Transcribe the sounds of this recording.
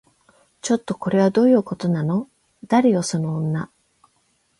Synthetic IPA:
t͡ɕo̞t̪ːo̞ko̞ɾe̞β̞ad̪o̞ːjɯ̟ːko̞t̪o̞nano̞ | d̪̥aɾʲijoso̞nõːnːa

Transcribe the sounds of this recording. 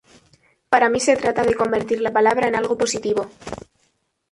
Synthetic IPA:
paɾamise̞t̪ɾat̪að̞e̞ko̞mbeɾt̪iɾlapalaβ̞ɾaenalɣopo̞sit̪iβ̞o̞

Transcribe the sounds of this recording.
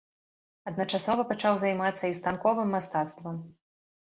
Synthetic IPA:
ɐd̪̚nɐt͡ʂasɔvɐpat͡ʂawzajmat̪sːɐist̪ankɔvɨmːast̪at̪st̪vɐm

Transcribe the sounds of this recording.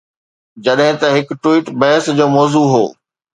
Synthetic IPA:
d͡ʑɐɗɦɪ̃t̪ɐɦɪkʈwiːʈbɐɦɪsd͡ʑoːmɔːzuːɦo̰ː

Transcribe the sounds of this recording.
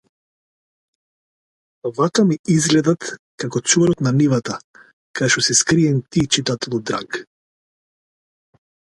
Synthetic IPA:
avakamiizɡlɛd̪at̪kakɔt̪sɔɾɔt̪nanivat̪a | kad̪ɛʃɔsiskɾiɛnt̪it͡ʃit̪at̪ɛlˠɔd̪ɾa̰k

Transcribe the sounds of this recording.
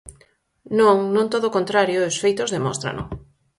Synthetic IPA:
nõŋnõŋt̪oðokont̪ɾaɾjoosfejt̪ozðemo̰nst̪ɾa̰nʔʊ̰

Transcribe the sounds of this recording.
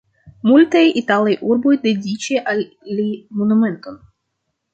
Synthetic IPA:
mult̪ajit̪alajʔuɾbojd̪edʲit͡ʃeʔal | limonument̪o̞n

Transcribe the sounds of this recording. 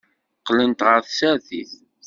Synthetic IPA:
qːlənt̪ʁəɾθsæθḭθ

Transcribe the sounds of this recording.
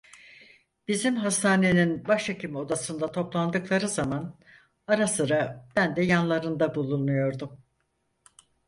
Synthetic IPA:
b̥izimɦast̪ʰaːne̞ninbaʃacʰimo̞d̪asɯnd̪at̪ʰo̞plˠand̪ɯklˠaɾɯzaman | aɾasɯɾab̥ænd̪ɛjanlˠaɾɯnd̪abulˠunnujo̞ɾd̪um

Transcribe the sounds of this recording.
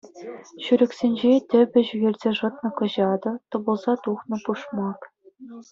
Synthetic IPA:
ɕyɾʲɘ̆kʲsʲenʲd͡ʑetʲɘ̆bʲɘ̆ʑyɣʲerʲzʲeʐɤ̆t̪̚nɤ̆kɤ̆ʑɑd̪ɤ̆t̪ɤ̆bɤ̆lˠzɑt̪uχnɤ̆puʂmɑk

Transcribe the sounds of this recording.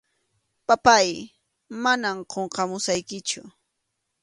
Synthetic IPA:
papaj | manamqʰoɴqɑmʊsajkɪt͡ʃʊ

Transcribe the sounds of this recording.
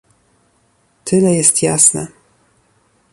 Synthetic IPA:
t̪ʰɘlɛjɛst̪jasnɛ̰

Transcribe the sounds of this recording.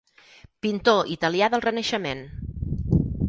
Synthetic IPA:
pint̪oʔit̪əliaðəlˠrənəʃəmen

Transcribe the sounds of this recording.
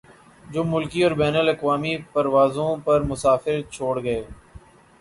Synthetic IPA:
d͡ʒoːmʊlkiɔːɾbɛːnəlɐkʋaːmipɐɾʋaːzõpɐɾmʊsaːfɪɾt͡ʃʰoːɽɡɐeː

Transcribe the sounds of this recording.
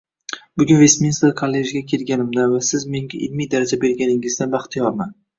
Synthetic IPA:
bʊɡʲʊnve̞smʲinst̪ekʰalːeʒɡʲakʲʰe̞lɡʲanɪmd̪anvasɪzme̞ŋɡʲaʔɪlmijd̪aɾad͡ʒabe̞ɾɡʲanɪŋɪzd̪anbaχt̪ʰɪjɒɾman

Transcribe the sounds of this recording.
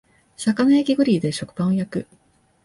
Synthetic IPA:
sakanaekʲiɡɯ̟ɾʲiːd̪e̞ɕo̞kɯ̟̥pãɰ̃õjakɯ̟

